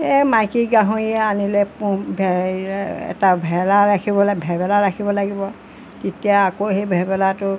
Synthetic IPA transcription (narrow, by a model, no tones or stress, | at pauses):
ɛmajkiɡaɦoɹiɛanilɛpubʱɛ | ɛ̰tabʱɛlaɹakʰibɔlabʱɛbɛlaɹakʰibɔlaɡibɔ | tetijaːkohejbʱɛbɛlatʊ